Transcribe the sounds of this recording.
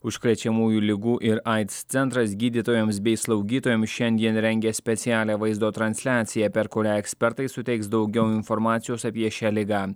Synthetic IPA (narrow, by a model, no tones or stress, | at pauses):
ʊʃkɾʲɛt͡ʃʲɛmuːjulʲɪɡuːʔɪɾɑɪt̪st̪sʲɛnt̪ɾɐsɡʲiːd̪ʲit̪oːjoms̬bʲɛɪslˠɒʊɡʲiːt̪oːjomsʃʲɛnʲd̪ʲiɛnɾʲɛŋʲɡʲɛsʲpʲɛt̪sʲɪæːlʲeːʋɐɪzd̪oːt̪ɾɐnʲsʲlʲæːt̪sʲɪjæːpʲɛɾkʊɾʲæːɛksʲpʲɛɾt̪ɐɪsʊt̪ʲɛɪksd̪ɒʊɡʲɛʊɪnfɔɾmɑːt̪sʲɪjoːsɐpʲiɛʃʲæːlʲɪɡɑː